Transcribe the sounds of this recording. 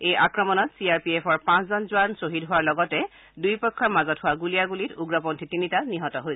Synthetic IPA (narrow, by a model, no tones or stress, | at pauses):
ejʔakɹɔmɔnɔtsiaɹpiepʰɔɹpãszɔnzuwansoɦitɦʊwaɹlɔɡɔtɛ | dujpɔkʰːɔɹmazɔtɦʊwaɡulijaɡulituɡɹɔpɔntʰitinitaniɦɔtɔɦojsɛ